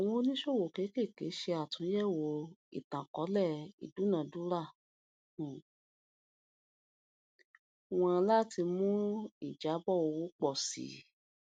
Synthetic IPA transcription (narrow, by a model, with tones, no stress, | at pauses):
w̃ɔ̃˧o˦nĩ˦ʃo˦˨wo˨ke˨˦ke˦˨ke˨˦ʃe˧a˨tũ˨˦jɛ˦˨wo˨˧˦ḭ˨tã˨kɔ˨˦lɛ˦˨ḭ˨du˨˦nã˨du˦ɾa˦˨ | w̃ɔ̃˧la˦˨ti˧mũ˦i˦˨d͡ʒa˨˦bɔ˦o˧wu˦k͡pɔ˦˨sḭ˨˦